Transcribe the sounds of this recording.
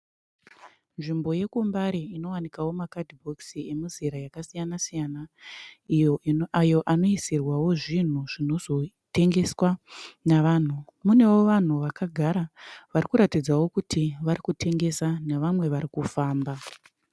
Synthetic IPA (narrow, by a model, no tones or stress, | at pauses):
nʐimbo̞je̞kumbaɾiino̞wanikawo̞makadibʱo̞ksie̞muziɾajakasijanasijanaijoajo̞ʔano̞isirwawo̞ʐin̤uʐino̞zo̞ | te̞ŋɡe̞swanaʋaːn̤umune̞wo̞ʋan̤uʋakaɡʱaɾaʋaɾikuɾatid͡zawo̞kutʰiʋaɾikutʰe̞ŋɡe̞saneʋamwe̞ʋaɾikufaːmba